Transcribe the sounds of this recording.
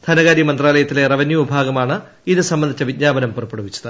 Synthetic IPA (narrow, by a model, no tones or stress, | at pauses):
d̪ʰɐnɐɣaːɾjɐmɐnd̪raːlɐjɐt̪ːile̞rɐʋɐnjuubʱaːɡɐmaːɳɨ | iðɨsɐmbɐnd̪ʱit͡ɕːɐʋid̚ɲaːbɐnɐmpurɐpːeɽɐʋit͡ɕːɐðɨ